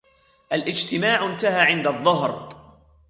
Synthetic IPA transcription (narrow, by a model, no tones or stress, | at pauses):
ʔalʔɪd͡ʒt̪ɪmaːʕɪnt̪ahaːʕɪnd̪aðˤːʊɦɾ